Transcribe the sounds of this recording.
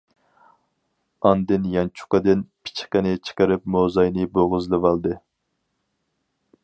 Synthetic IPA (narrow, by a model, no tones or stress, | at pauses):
ɑnd̪ɨnjɑnt͡ʃʰu̥qɑd̪ɪnpʰi̥t͡ʃʰi̥qənɪt͡ʃʰə̥qəɾɪp̚mozɑjnɪboʁɨzlˠɨvɑlˠd̪ɨ